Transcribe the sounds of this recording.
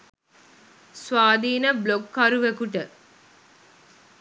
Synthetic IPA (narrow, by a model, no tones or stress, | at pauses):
sʋaːd̪iːnəblokːɐɾuʋekuʈə